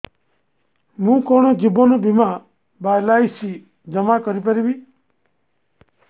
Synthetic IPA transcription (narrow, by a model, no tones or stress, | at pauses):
mũkɔɳ̃ɔd͡ʒibɔnɔbima | bajlajsi | d͡ʒəmakɔɾipəɾibi